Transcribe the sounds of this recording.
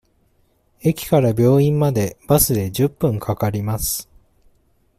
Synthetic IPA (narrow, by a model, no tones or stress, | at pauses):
e̞kʲi̥kaɾabʲjo̞ːĩmmad̪e̞b̥asɨd̪e̞ʑɨpːɯ̟̃ŋkʰakaɾʲimasɨ̥